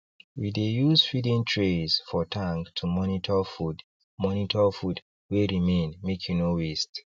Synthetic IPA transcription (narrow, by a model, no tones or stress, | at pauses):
widejuzfidĩntʰɹezfɔtʰãŋɡtʰumɔnitʰɔfud | mɔnitʰɔfud | weɹimẽnmekʰjunowist